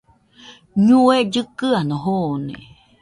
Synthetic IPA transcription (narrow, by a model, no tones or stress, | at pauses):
ɲũed͡ʒɨkɨanõɦoonḛ̃